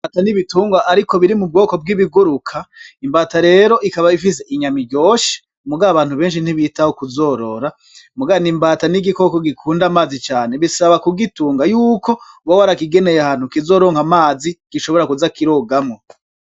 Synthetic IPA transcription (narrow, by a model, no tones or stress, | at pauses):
mbataniβituːŋɡwaʔaɾiko̞βiɾimub̚ɡo̞ːko̞b̚ɡiβiɡuɾukʰaimbaːtaɾe̞ːɾo̞ʔikaβaifise̞ʔiɲamiɟo̞ːʃe̥ | muɡaaβaːn̥huβe̞ːnʃin̥iβiːtahokuzo̞ːɾo̞ɾa | muɡanimbaːtaniɡiko̞ko̞ɡikʰuːndamaːzit͡ʃaːneβisaβakuɡituːŋɡajuːko̞wowaɾakiɡe̞ne̞jeahaːnhukizo̞ːɾo̞ːŋhamaːziɡ̥iʃoβo̞ɾakuzakiɾoːɡamo̞